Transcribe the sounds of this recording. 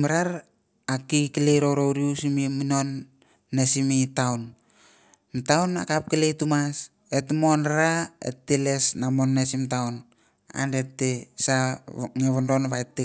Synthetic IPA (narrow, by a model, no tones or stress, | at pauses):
maɾaɾ | akikileɾo̞ɾowɾiusimimino̞nː | esimitawn | mtawna̰kap̚kiletumas | etmo̞naɾaḛtːele̞snamonːesimtawn | a̰ndetːesaŋeβondo̞nβajtːe